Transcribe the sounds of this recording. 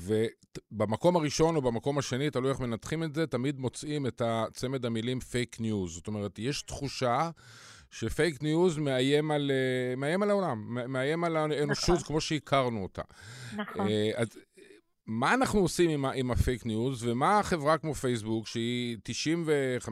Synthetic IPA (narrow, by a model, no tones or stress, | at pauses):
ve | bamako̞maʁiʃo̞nobamako̞maʃe̞nitalujaχme̞nat̪χime̞tzetamid̪mo̞t͡sime̞tat͡se̞me̞d̪amilimfejknjuzzoto̞me̞ʁetjeʃt̪χuʃa | ʃefejknjuzme̞aje̞malmeajemalao̞lamːemeaje̞malaeno̞ʃutkmo̞ʃeikʰaʁnuota̰ | a | maːnaχnuosimimaʔimafejknjuzvemaχe̞vʁakmo̞fejs̬bukʃeitiʃimve̞χa